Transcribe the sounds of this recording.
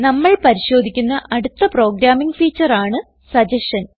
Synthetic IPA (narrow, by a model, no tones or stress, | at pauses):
nɐmːɐɭpɐɾiɕo̞ːd̪ʱikʲːunːɐʔɐɽut̪ːɐpro̞ːɡɾaːmiŋɡfiːt͡ɕːɐraːɳɨ | sɐd͡ʑɐʂɐn